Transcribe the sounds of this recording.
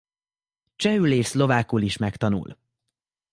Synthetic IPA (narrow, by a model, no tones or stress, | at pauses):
t͡ʃɛyleːslo̞vaːkuliʃmɛkt̪ɒnṵl